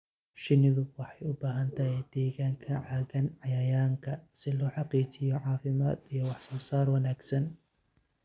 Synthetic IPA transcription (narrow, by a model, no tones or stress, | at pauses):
ʃɪnɪðʊwɑħɑjʊbaːɦɐnt̪ʰɐɦɛjd̪̥ɛːɣaːŋkʰɐʕɑːɣɐnʕɑjɐjaːŋkʰɐsɪlɔːħɑqiːt͡ʃɪjɔʕɑːfɪmaːd̪ijɔwɑħsɔːsaːrwɑnaːɡsɐn